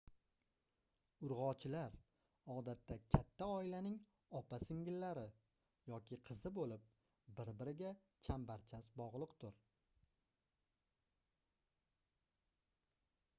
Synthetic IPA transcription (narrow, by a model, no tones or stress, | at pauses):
ʊɾʁɒt͡ʃʰɪlaɾ | ɒd̪at̪ʰːakʲʰat̪ʰːaɒɪlanɪŋ | ɒpʰasɪŋɡʲɪlːaɾɪ | jɒkʲɪqʰɨzɪbolɪp̚ | bɪɾbɪɾɪɡʲa | t͡ʃʰambaɾt͡ʃʰasbɒʁlˠɨqt̪ʰʊɾ